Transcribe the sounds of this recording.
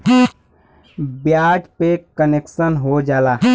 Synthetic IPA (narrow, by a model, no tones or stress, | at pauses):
bjaːʈpekəneksənɦod͡ʒaːla